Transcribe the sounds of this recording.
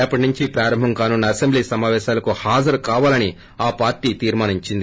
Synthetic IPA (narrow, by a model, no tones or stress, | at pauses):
ɛpːɐʈinuɲt͡ʃipɾaːɾɐmbʱɐmkaːnunːɐɐsembliːsɐmaːʋɛːʃaːlɐkuhaːd͡ʒɐɾkaːʋaːlɐni | aːpaːɾʈiːt̪iːɾmaːniɲt͡ʃind̪i